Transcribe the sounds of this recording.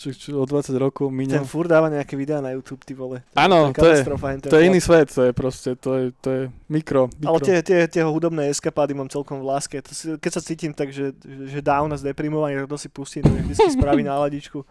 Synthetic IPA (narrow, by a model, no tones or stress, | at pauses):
t͡ʃat͡ʃɔd̪ʋat͡saɟɾɔkɔʊmiɲɛnfuɾd̪aːʋaɲɛakɛʋid̪ɛaːnajuːt̪uːpt̪iʋɔlɛt̪aːnɔtkat̪ɔjɛst̪ɾɔfaɦɛnt̪ɛɔjɛiniːsʋɛt̪t̪ɔjɛpɾɔscɛt̪ɔjɛt̪ɔjɛmikɾɔmalɛt̪ɪɛt̪ɪɛt̪ɪɛɦɔɦud̪ɔbnɛːɛskapaːd̪imaːmt͡sɛlkɔmvlaːskɛt̪ʰɔsikɛcsat͡siːcimt̪aɡʒɛɛʒɛd̪aʊnazd̪ɛpɾimɔʋaɲit̪ak̚t̪ɔsipusciːmt̪ɔɲɛʒɛsispɾaʋinalaɟit͡ʃku